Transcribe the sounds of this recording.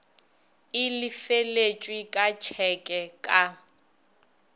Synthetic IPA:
ɪlɪfelet͡ʃʼwikʼat͡ʃʰɛkʼɛkʼa

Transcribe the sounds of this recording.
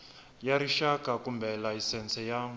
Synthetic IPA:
jaɾiʃakakumbʱɛlaisɛnt͡sʰɛjaːm

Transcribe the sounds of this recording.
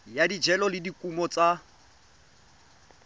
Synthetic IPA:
jadid͡ʒɛlɔlɪdikʼumɔt͡sʼa

